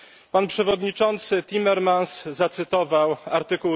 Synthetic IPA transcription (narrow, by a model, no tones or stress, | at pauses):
panpʂɛvɔd̪ɲit͡ʂɔnt̪sɘt̪ʲimɛɾmanszat̪sɘt̪ɔvawaɾt̪ɘku